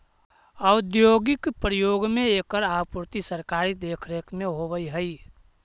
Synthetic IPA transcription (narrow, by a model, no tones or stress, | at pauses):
əwd̪joːɡɪkpɾəjoːɡmẽeːkəɾaːpuɾt̪isəɾkaːɾid̪eːkʰɾekmẽɦoʋəiɦəi